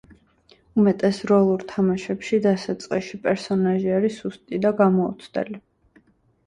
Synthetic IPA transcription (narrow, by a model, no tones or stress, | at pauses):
umɛt̪ʼɛsɾɔlˠuɾt̪ʰamaʃɛpʃid̪asat̪sʼqʼiʃipʼɛɾsɔnaʒiaɾisust̪ʼid̪aɡamɔṵt̪sʰd̪ɛ̰li